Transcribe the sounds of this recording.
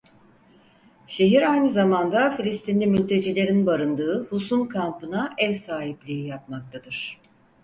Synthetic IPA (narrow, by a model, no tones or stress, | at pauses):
ʃe̞ɦiɾajnɯzamand̪afilʲist̪ʰinlʲimylʲt̪ʰe̞d͡ʒilʲe̞ɾinbaɾɯnd̪ɯːhusumkʰampɯnaʔɛvsaːɦiplʲiijap̚mak̚t̪ʰad̪ɯɾ̥